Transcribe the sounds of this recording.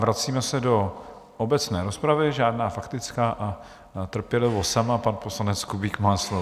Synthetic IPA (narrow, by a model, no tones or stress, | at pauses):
vɾat͡siːmɛsɛdo̞ | ʔobɛt͡snɛːɾospɾavɪʒaːdnaːfakt̪ɪt͡skaːʔa | t̪r̩pjɛlɪvosamapanposlanɛt͡skubikmaːslo